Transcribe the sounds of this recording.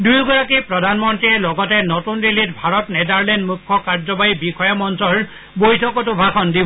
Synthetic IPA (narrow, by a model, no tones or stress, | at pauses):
dujɡɔɹakipɹɔdʱanmɔntɹiɛlɔɡɔtɛnotundilit̚bʱaɹɔtnɛdaɹlɛndmukʰːɔkaɹd͡ʒɔbajibixɔjamɔnsɔɹ | bojtʰɔkɔtʊbʱakɔndibɔ